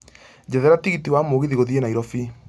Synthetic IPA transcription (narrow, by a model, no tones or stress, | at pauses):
d͡ʑɛðɛɾatiɣitiwamoɣiðiɣoðienaiɾɔfi